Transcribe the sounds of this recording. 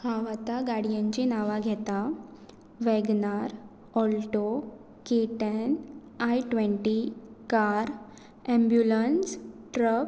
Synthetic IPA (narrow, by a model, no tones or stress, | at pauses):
haʋat̪aɡaɽijãɲt͡ɕinaʋaɡʱɛt̪a | ʋɛɡnaɾ | ɔlʈo | keʈən | ajʈʋɛ̃ɳʈikaɾ | ɛ̃mbjulənsʈɾəp